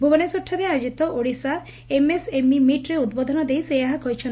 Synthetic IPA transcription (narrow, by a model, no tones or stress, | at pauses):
bʱubɔnesɔʈʰːaɾead͡ʒit̪ɔʔoɽisa | emesemimiʈɾeud̪̚bɔd̪ʱɔnɔd̪ejsejaɦakɔɦjt͡ʃʰɔn